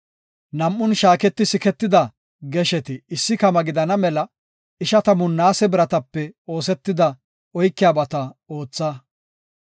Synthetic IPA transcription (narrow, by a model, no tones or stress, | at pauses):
nɐmʔːʊnʃaːkɛt̪ːɪsɪkɛt̪ːɪd̪ɐ | ɡɛʃɛt̪ɪɪsːɪkɐmɐɡɪd̪ɐnɐmɛlɐ | ɪʃɐt̪ɐmʊnːaːsɛbɪɾɐt̪ɐpːɛo̞ːsɛt̪ːɪd̪ɐ | ɔjkːɪjaːbɐt̪ɐo̞ːt͡sːɐ